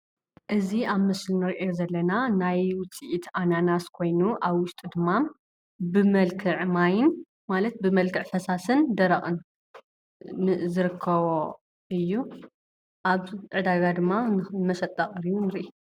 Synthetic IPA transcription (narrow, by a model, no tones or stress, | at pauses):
ʔɨziʔaβmɨslinɨɾiʔo̞zɐlːɐnanajwʊt͡sʼiʔit̪ʰʔananaskʰo̞jnuʔaβwʊʃt̪ʼud̪ɨmːa | bɨmɐlkʰɨʕmajɪn | malɐt̪̚bɨmɐlkʰɨʕfɐsasɨnd̪ɐɾɐχʼɨn | zɨɾɨkʰːɐβo | ɨjːu | ʔaβʕɨd̪aɡad̪ɨmːamɐʃɐt̪ʼːɐχʼɾijunɨɾiʔi